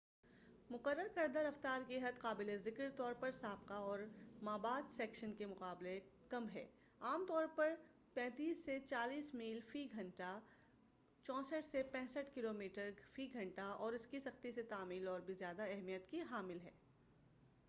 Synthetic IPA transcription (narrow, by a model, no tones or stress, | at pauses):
mʊqəɾːəɾkɐɾd̪aɾɐft̪aːɾkeɦɐd̪qaːbɪlezɪkɾt̪ɔːɾpɐɾsaːb̚qaɔːɾmaːbaːd̪sɛːkʃənkemʊqaːblekɐmɦɛ̰ː | aːmt̪ɔːɾpɐɾ | pɛ̃ːt̪iːsːet͡ʃaːliːsmiːlfiːɡʱɐ̃ɳʈa | t͡ʃɔ̃ːsəʈʰsepɛ̃ːsəʈʰkɪloːmiːʈəɾfiːɡʱɐ̃ɳʈaɔːɾɪskisɐxt̪iset̪aːmiːlɔːɾbʱizjaːd̪aɛɦmijət̪kiɦaːmɪlɦɛː